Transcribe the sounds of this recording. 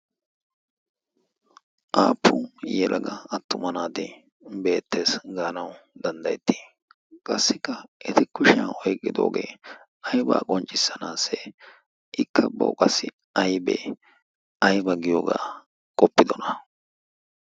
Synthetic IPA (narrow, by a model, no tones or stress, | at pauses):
ʔaːpʰːʊjɛlʔɐɡɐɐt̪ːʊmɐnaːd̪ɛ | be̞ːt̪ʰːe̞ːsɡaːnɐwd̪ɐnd̪ɐjɛt̪ːi̥ | kʼɐsːɪkːɐʔɪt̪ɪkʊʃɪaːʔɔjkʼːɪd̪o̞̰ːɡḛː | ɐjba̰ːkʼɔnt͡ʃʼːɪsːɐnaːsːɛ | ʔɪkːɐbɐ̰wkʼɐsːɪ | ɐjbɛ̰ | ɐjbɐɡɪjoːɡa̰ː | kʼɔpːɪd̪ɔnɐ